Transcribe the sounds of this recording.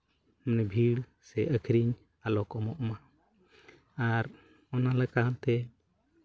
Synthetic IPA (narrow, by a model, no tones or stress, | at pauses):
mnɛbʱiɽ | sɛʔəkʰɾiɲ | alɔkɔmɔʔma | aɾ | ɔnalɛkant̪ɛ